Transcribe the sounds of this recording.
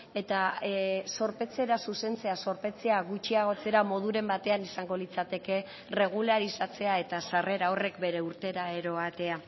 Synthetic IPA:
e̞t̪aso̞ɾpe̞t͡se̞ɾasuse̞nt͡se̞aso̞ɾpe̞t͡se̞aɣut͡ʃiaɣ̞o̞t͡se̞ɾamo̞ð̞uɾe̞mbat̪e̞anisaŋɡo̞lit͡sat̪e̞ke̞ | re̞ɣ̞ulaɾisat͡se̞ae̞t̪asare̞ɾao̞re̞kbe̞ɾe̞uɾt̪e̞ɾae̞ɾo̞at̪e̞a

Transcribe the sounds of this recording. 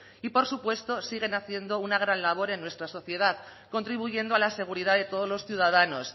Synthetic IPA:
ipo̞ɾsupwe̞st̪o̞siɣ̞e̞naθje̞nd̪o̞unaɣ̞ɾanlaβ̞o̞ɾe̞nːwest̪ɾaso̞θje̞ð̞að | ko̞nt̪ɾiβ̞uʝe̞nd̪oalase̞ɣ̞uɾiðaðe̞t̪o̞ð̞ozlo̞sθjuð̞að̞anos

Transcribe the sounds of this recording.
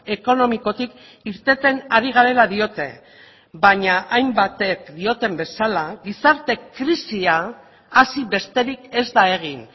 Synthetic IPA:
e̞ko̞no̞miko̞t̪ik | iɾt̪e̞t̪e̞naɾiɣ̞aɾe̞laðio̞t̪e̞̰ | baɲaʔajmbat̪e̞kd̪io̞t̪e̞mbe̞salaɣisaɾt̪e̞kɾisiaː | siβe̞st̪e̞ɾike̞zd̪ae̞ɣ̞in

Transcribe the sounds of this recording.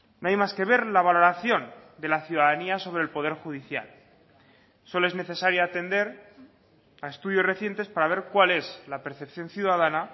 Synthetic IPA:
noajmaske̞β̞e̞ɾlaβ̞alo̞ɾaθjo̞nd̪e̞laθjuðaðaniaso̞β̞ɾe̞lpo̞ðe̞ɾxuðiθja̰l | so̞lo̞e̞zne̞θe̞saɾjaat̪e̞nd̪e̞ɾ | ae̞st̪uðjo̞sre̞θje̞nt̪espaɾaβ̞e̞ɾkwale̞zlape̞ɾθe̞pθjo̞nθjuðaðana

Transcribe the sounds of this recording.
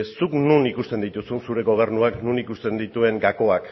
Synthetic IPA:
suknunikust̪e̞nd̪it̪usunsuɾe̞ɣo̞β̞e̞ɾnuaknunikust̪e̞nd̪it̪ue̞ŋɡako̞ak

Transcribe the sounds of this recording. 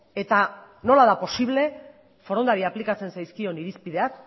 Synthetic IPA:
e̞t̪a | no̞laðapo̞siβ̞le̞ | fo̞ɾonaɾiaplikat͡se̞nsajskio̞niɾispiðe̞ak

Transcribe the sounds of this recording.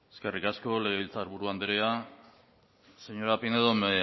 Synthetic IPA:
eskerikasko̞le̞ɣeβilt͡saɾβuɾuand̪eɾea | se̞ɲo̞ɾapineðom

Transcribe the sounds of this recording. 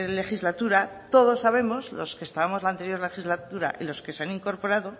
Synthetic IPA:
le̞xizlat̪uɾat̪o̞ð̞o̞sːaβ̞e̞mo̞zlo̞ske̞st̪aβamo̞zlant̪e̞ɾjo̞ɾle̞xizlat̪uɾa̰ʔilo̞ske̞seaniŋko̞ɾpo̞ɾaðo̞

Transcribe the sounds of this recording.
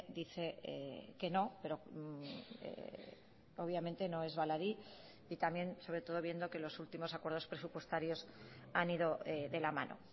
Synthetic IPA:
d̪iθe̞ḛke̞no̞pe̞ɾo̞ | ḛ | oβ̞jamẽnt̪e̞no̞e̞zβalaɾi | it̪amje̞nso̞βɾe̞t̪o̞ð̞o̞β̞je̞nd̪o̞ke̞lo̞sult̪imo̞sakwe̞ɾð̞o̞spɾe̞supwe̞st̪aɾjo̞saniðo̞eðe̞lama̰nʔo̞̰

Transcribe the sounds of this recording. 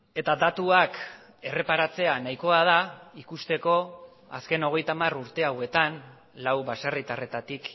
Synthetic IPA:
e̞t̪ad̪at̪uak | e̞re̞paɾat͡se̞anajko̞að̞aikust̪e̞ko̞ | a̰ske̞no̞ɣ̞e̞jt̪amaruɾt̪e̞awe̞t̪an | lawβasarit̪are̞t̪at̪ik

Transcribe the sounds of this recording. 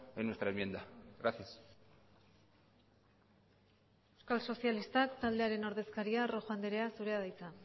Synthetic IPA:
enːwest̪ɾaemje̞nd̪aɣɾaθjas | ewskalso̞sialist̪akt̪ald̪e̞aɾe̞no̞ɾðe̞skaɾiaro̞xand̪eɾe̞asuɾe̞að̞ajt͡sa

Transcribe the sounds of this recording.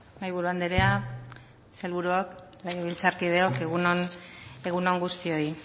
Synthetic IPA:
majβuɾuand̪eɾea | selβuɾuok | lajeβilt͡saɾkið̞e̞o̞keɣunone̞ɣuno̞ŋɡust̪io̞i

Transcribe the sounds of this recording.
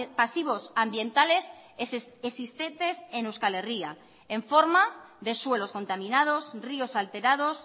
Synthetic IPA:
pasiβ̞o̞sambje̞nt̪ale̞s | esist̪ent̪e̞senewskale̞ria | eɱfo̞ɾmaðe̞swe̞lo̞sko̞nt̪amĩnað̞osrio̞salt̪e̞ɾað̞o̞s

